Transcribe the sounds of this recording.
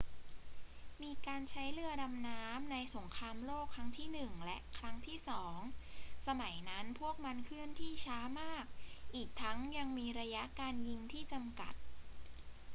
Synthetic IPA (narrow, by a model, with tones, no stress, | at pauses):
miː˧kaː˧nt͡ɕʰa˦˥jlɯ˥˩əda˧mnaː˦˥mna˧jso˩˦ŋkʰɾaː˧mloː˥˩kʰːɾa˦˥ŋt̪ʰiː˥˩nɯ˨˩ŋlɛ˦˥ʔkʰɾa˦˥ŋt̪ʰiː˥˩sɔː˩˦ŋsa˧ma˩˦jna˦˥npʰu˥˩ək̚ma˧nkʰɯ˥˩ənt̪ʰiː˥˩t͡ɕʰaː˦˥maː˥˩k̚ʔiː˨˩k̚t̪ʰa˦˥ŋja˧ŋmiː˧ɾa˧ja˦˥ʔkaː˧nji˧ŋt̪ʰiː˥˩t͡ɕa˧mka̰˨˩t̪̚